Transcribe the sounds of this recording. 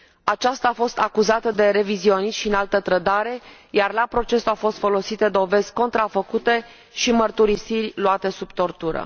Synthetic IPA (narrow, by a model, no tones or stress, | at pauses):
at͡ʃast̪aːfo̞st̪akuzat̪əd̪e̞ɾe̞vizio̞niʃʃiɨnalt̪ət̪ɾəd̪aɾe̞ | jarlapɾo̞t͡ʃe̞suafo̞st̪fo̞lo̞sit̪ed̪o̞ve̞zʲko̞nt̪ɾafəkut̪e̞ | ʃimərt̪uɾisirʲluat̪e̞subt̪o̞rt̪uɾə̰